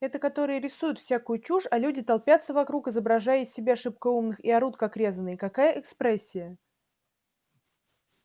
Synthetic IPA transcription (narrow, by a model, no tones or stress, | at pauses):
ɛt̪əkɐt̪o̞ɾɨjəɾʲɪsujʊt̪fsʲakʊjʊt͡ɕuʂɐlʲudʲɪt̪ɐlˠpʲat̪səvɐkɾukɪzəbɾɐʐajɪsʲɪbʲeɐʂɨp̚kəumnɨxiɐɾut̪̚kɐkɾʲe̞zənːɨjkɐkajəʔɛkspɾɛsʲːɪjə